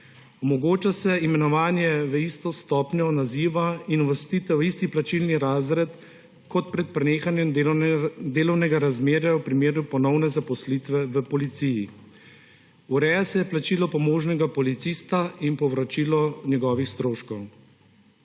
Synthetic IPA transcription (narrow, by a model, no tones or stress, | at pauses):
ɔmɔɡoːt͡ʃasɛimɛnɔʋaːnjɛʋəist̪ɔst̪ɔːpnɔnaziːʋainɔʋəst̪it̪ɛwist̪iplat͡ʃilniɾaːzɾɛt̪ | kɔt̪pɾɛt̪̚pɾɛneːxanjɛm | d̪eːlɔwnɛɡaɾazmeːɾjawpɾimeːɾupɔnɔwnɛzapɔslit̪ʋɛʋəpɔlit̪siji | uɾɛːjasɛjɛplat͡ʃilɔpɔmoːʒnɛɡapɔlit̪siːst̪ainpɔʋɾɔt͡ʃiːlɔnjɛɡɔːʋixst̪ɾoːʃkɔw